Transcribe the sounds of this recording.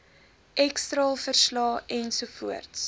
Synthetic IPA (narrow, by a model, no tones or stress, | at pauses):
ʔɛkstrɑːlˠfərslɑːɛnsufuərts